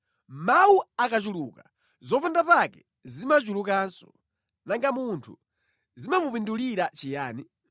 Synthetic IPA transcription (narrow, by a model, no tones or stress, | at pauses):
mawuakat͡ʃuluːka | zɔpandapakɛ | zimat͡ʃulukansɔ̥̰ | naŋɡamuntʰṵ | zimamupinduliɾat͡ʃijaːni